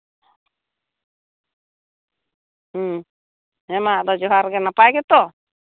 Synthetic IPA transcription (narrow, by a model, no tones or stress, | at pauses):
ɛmaʔd̪ɔd͡ʒɔɦaɾɡɛnapajɡɛt̪ɔ